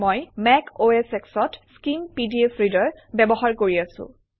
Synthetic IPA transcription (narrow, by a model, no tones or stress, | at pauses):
mojmɛkʰoeseksɔtskimpidiepʰɹidɔɹbɛbɔɦaɹkoɹiasʊ̰̃